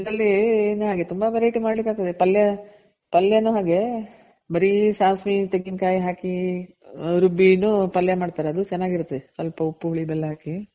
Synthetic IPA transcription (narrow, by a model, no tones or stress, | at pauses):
id̪ɐlːinːuɦaːɡe̞t̪umbɐbɐɾeiʈimaːɽɭikːaːɡ̚t̪ɐd̪epɐlːjɐ | pɐlːjɐnːuɦaːɡe̞ | bɐɾisaːsmit̪eɡːinkaːjiɦaːki | ɾubːinupɐljɐmaːɽt̪aːɾeɐd̪ut͡ʃɛnːaːɡiɾut̪ːɐd̪esʋɐlpɐupːuʋuɭibɛlːɦaːki